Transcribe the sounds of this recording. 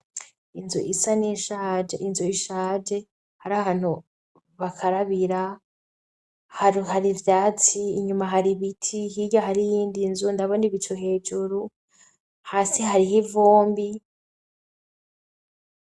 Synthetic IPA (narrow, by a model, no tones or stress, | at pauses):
inzṵʔisaniʃad͡ʒeʔinzuiʃaːd͡ʒe | haɾahaːn̥hu | βakʰaɾaβiɾa | hahaɾivjaːt͡siːɲumaɦaɾiβitʰihiɟaɦaɾijiːndinzundaβoniβit͡ʃoɦe̞ːd͡ʒuɾu | haːsiɦaɾiɦivoːmbi